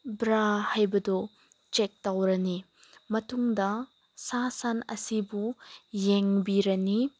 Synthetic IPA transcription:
bɾahajbɐdɔ | t͡ʃek̚tawɾɐni | mɐtuŋdɐ | sasanɐ̰sibujeŋbiɾɐni

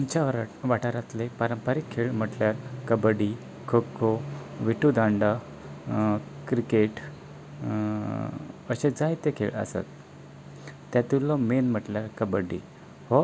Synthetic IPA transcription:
umt͡ɕaʋʋaʈaɾat̪lepaɾəmpaɾikʰːeɭm̤əʈljaɾkəbəɽi | kʰokʰːoʋiʈud̪aɳɖa | kɾikeʈ | əɕed͡zajt̪ekʰeɭə̰sa̰t̪ | jat̪ilɔmenm̤əʈljaɾkəbəɽḭ | hɔ

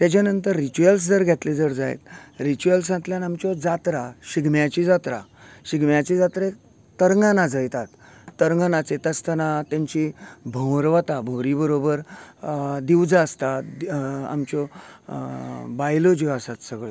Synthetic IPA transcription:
t̪jat͡ɕjanənt̪əɾːit͡ɕuels̬d͡zəɾɡʱɛt̪led͡zəɾd͡zaj̰t̪ɾit͡ɕuəlsãt̪ljanamt͡ɕɔd͡zat̪ɾaɕiɡmjat͡ɕid͡zat̪ɾa̰ɕiɡmjat͡ɕid͡zat̪ɾe | t̪əɾŋɡanad͡zəjt̪at̪ːəɾŋɡanat͡set̪əst̪ənat̪jãɲt͡ɕibʱə̃w̃ɾʋət̪abʱoɾibəɾobəɾ | d̪iwd͡zaːst̪a | a̰mt͡ɕɔ | bajlod͡ʑɔasat̪səɡɭe

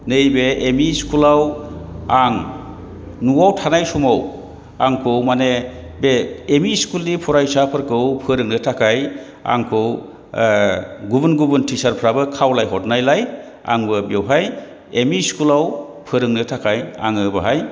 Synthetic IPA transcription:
nejbeemiskʰulawaŋ | nuwawtʰanajsumaw | aŋkʰɯwmane | beːmiskulnipʰuɾajsapʰɯɾkʰɯwpʰɯɾɯŋnɯtʰakʰaj | a̰ŋkʰɯw | ɡubunɡubuntʰisaɾpʰɾabɯkʰawlajɦɔt̚najlaj | a̰ŋbɯbjewɦaj | emiskulaw | pʰɯɾɯŋnɯtʰakʰaja̰ŋɯbɯɦaj

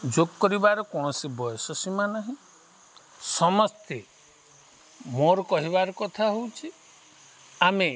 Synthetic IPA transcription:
d͡ʒoɡkɔɾibaɾɔkɔɽ̃ɔsibɔjɔsɔsimanaɦĩ | sɔmɔst̪ʰe | moɾɔkɔɦiβaɾɔkɔt̪ʰaɦowt͡ʃʰi | ame

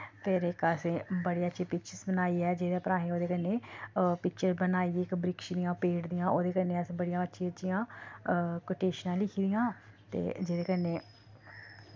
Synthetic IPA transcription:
pʰɪɾɪkəsẽːbəɽeːətːʃʰiːpɪkt͡ʃəɾsbənaːiːɛːd͡ʒeːd̪eːpəɾaːɦẽːoːd̪eːkənːeːpɪkt͡ʃəɾbənaːiːɪkbɾɪkʃd̪ijãːpeːʈd̪ɪjãːʔoːd̪eːkənːeːəsːbəɽɪjãːətːʃʰiːətːʃʰijãː | koʈeːʃnãːlɪkʰiːd̪ɪjãːt̪ḛːd͡ʒeːd̪eːkəneː

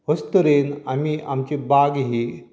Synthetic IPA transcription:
ɦəst̪əɾenamiʔamt͡ɕebaɡɦi

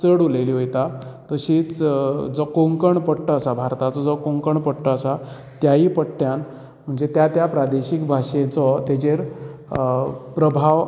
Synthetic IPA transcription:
t͡səɽuleliːɦojt̪at̪əɕiːt͡sd͡zɔkoŋkəɳpəɽʈəːsabʱaɾt̪at͡sɔd͡zɔkoŋkəɳpəʈʈəːsa | t̪jaipəʈʈːjan | m̤əɳd͡zet̪jat̪japɾad̪eɕikbʱaʂet͡sɔt̪et͡ɕeɾ | pɾəbʱaʋ

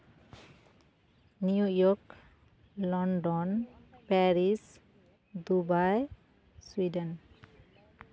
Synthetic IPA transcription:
nijujɔk | lɔnɖɔnpɛɾis | d̪ubaj | swidən

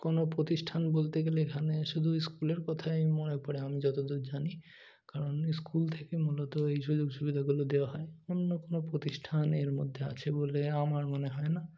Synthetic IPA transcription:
konopɾot̪iʃʈʰanbolt̪eɡeleekʰaneʃud̪ʱuiskuleɾkɔt̪ʰajmonepɔɽeamid͡ʑɔt̪od̪uɾd͡ʑani | kaɾonskult̪ʰekemulɔt̪oejʃud͡ʑoɡʃubid̪ʱaɡulod̪eoaɦɔeonːokonopɾot̪iʃʈʰaneɾmod̪ʱːea̰t͡ɕʰeboleamaɾmoneɦɔena

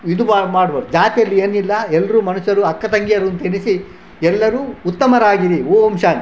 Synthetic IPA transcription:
id̪umaːmaːɽbɐd̪ud͡ʒaːt̪ijɐlːieːnilːɐɛlːɐɾuːmɐnuʃɐɾuɐkːɐt̪ɐŋɡijɐɾuɐnt̪ɐenisi | ɛlːɐɾuːut̪ːɐmɐɾaːɡiɾioːɐmʃaːn

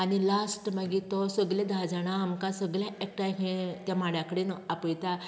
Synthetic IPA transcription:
añilasʈmaɡit̪ɔsəɡlẽd̪ʱad͡zaɽ̃aːmkãsəɡɭjãʔek̚ʈajɦẽt̪jamaɽjãkəɽenɔapəjt̪a

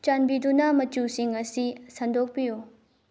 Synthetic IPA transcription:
t͡ʃanbidunamɐt͡ʃusiŋɐsisɐndʱok̚piju

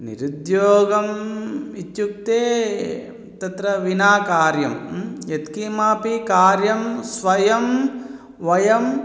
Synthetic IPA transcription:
nḭɾud̪joːɡɐmit̪juk̚t̪eː | t̪ɐt̪ɾɐʋinaːkaːɾjɐmjet̪kimaːpikaːɾjɐmsʋɐjɐm | ʋɐjɐm

